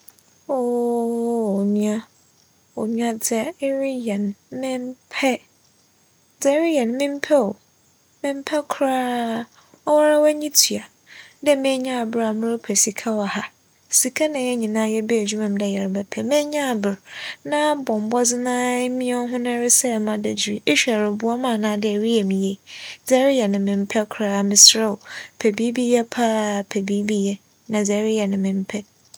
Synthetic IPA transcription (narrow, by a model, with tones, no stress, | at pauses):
o˦˨ | ɲũ˦a˦ | o˨nũ˦ã˦d͡zɛ˨˦ɾɪ˦jɛ˨nmɪ̃˦m˦pʰɛ˦ | d͡zɛ˨˦ɾɪ˦jɛ˨nmɪ̃˦m̩˦pʰɛ˦o˨ | mɪ̃˦m̩˦pʰɛ˦kʰɾaː˦ | ɔ˦wa˦ɾa˦wæ˦ɲĩ˦tʰi˨a˨ | dɛ˦mẽ˦ɲã˦a˨bɪ˨ɾa˨mʊ̃˦ɾʊ˦pʰɛ˨si˨kʰa˦wɔ˨ha˨ | si˨kʰa˦nã˨jɛ˦ɲĩ˨nãː˦jɛ˦bɛ˦˨d͡ʑᶣu˦mã˨m˦dɛ˨jɛ˨ɾbɛ˨pʰɛ˨mɛ̃˦ɲã˦˨bɪ˨ɾnã˦bɔ̃˨m˨bɔ˦d͡zɪ˦nãː˦mĩ˦ɛ˦ɦʊ̃˦nã˦ɾɪ˦sɛ˦˨mã˦dɛ˨d͡ʑi˨ɾi˨e˦ɕᶣɛ˨ɾɪ˨bu˦a˦mãː˦˨nãː˨˦dɪ˦˨ɾi˦ɛ˨mĩ˨je˨d͡za˦ɾi˦ja˨nɪ̃˨mɪ̃˨m̩˦pʰɛ˦kʰʊ˨ɾaː˦˨mɪ̃˨sɾɛ˦˨pʰɛ˨bi˦bi˦jɛ˦pʰa˦˨pʰɛ˨bi˦bi˦jɛ˦ | nã˨d͡za˨˦ɾi˦ja˨nɪ̃˨mɪ̃˨m̩˦pʰɛ˦